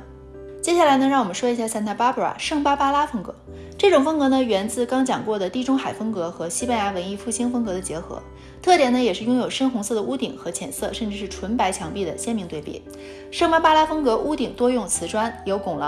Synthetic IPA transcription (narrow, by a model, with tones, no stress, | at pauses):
t͡ɕjɛ˥ɕja˥˩la˧˥ɪnə˧ɻɑ˥˩ŋwɔ˨˩mə˦nʂwɔ˥˩i˧˥ɕja˥˩sa˥nt̪ʰa˥˩pa˥pʰu˥˩a̰˨˩ʂɤ˥˩ŋpa˥pa˥la˥fɤ˥ŋkɤ̰˧˥ | ʈ͡ʂɤ˥˩ʈ͡ʂʊ˨˩ŋfɤ˥ŋkɤ˧˥nə˧ɥɛ˧˥nt͡sɹ̩˥˩kɑ˥ŋt͡ɕjɑ˨˩ŋkwɔ˥˩d̪ə˩t̪i˥˩ʈ͡ʂʊ˥ŋxa˨˩ɪfɤ˥ŋkɤ˧˥xɤ˧˥ɕi˥pa˥nja˧˥wə˧˥ni˥˧fu˥˩ɕi˥ŋfɤ˥ŋkɤ˧˥d̪ə˧t͡ɕjɛ˧˥xɤ̰˧˥ | t̪ʰɤ˥˩t̪jɛ˨˩nə˦jɛ˨˩ʂɻ̩˥˩jʊ˥ŋjo˨˩ʊʂə˥nxʊ˧˥ŋsɤ˥˩d̪ə˩ʔu˥t̪i˨˩˦ŋxɤ˧˥t͡ɕʰjɛ˨˩nsɤ˥˧ʂə˥˧nʈ͡ʂɻ̩˧˩ʂɻ̩˥˩ʈ͡ʂʰwə˧˥npa˧˥ɪt͡ɕʰjɑ˧˥ŋpi˥˩d̪ə̰˩ɕjɛ˥nmi˧ŋt̪we˥˧ɪḭ˥˩ | ʂɤ˥˩ŋpa˥pa˥la˥fɤ˥ŋkɤ˧˥ʔu˥t̪i˨˩ŋt̪wɔ˥jʊ˥˩ŋt͡sʰɹ̩˧˥ʈ͡ʂwa˥njo˧˥ʊkʊ˨˩ŋlə̰˧˦